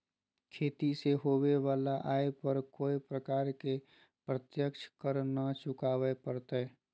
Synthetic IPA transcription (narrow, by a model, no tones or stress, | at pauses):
kʰeːt̪iseɦoːweʋaːlaʔaːepəɾkoːipɾəkaːɾke | pɾət̪jəkʃʰkəɾnat͡ʃʊkaːwepəɾt̪e